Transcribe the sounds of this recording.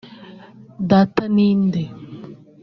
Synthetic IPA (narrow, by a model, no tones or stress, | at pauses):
d̪at̪aniːnd̪e